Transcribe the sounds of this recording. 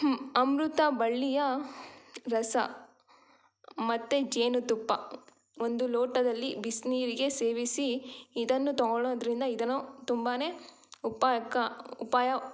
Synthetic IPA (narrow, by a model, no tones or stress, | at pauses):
ɐmɾut̪ɐbɐɭːijɐ | ɾɐsɐ̰ | mɐt̪ːed͡ʒeːnut̪upːɐ | o̞nd̪uloːʈɐd̪ɐlːibisniːɾiɡe̞se̞ːʋisiːd̪ɐnːut̪ɔɡɔɭoːd̪ɐɾind̪ɐid̪ɐnot̪umbaːne̞ː | upaːkaupaːjɐ